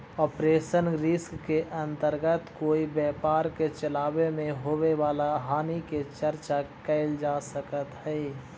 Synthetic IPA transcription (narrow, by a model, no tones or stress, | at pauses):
ɔːpɾeːʃənɾɪskːeʔə̃nt̪əɾɡət̪koːibɛːpaːɾket͡ʃəlaːwemẽɦoːweʋaːlaɦaːniket͡ʃəɾt͡ʃakəɪld͡ʒaːsəkət̪ɦɛi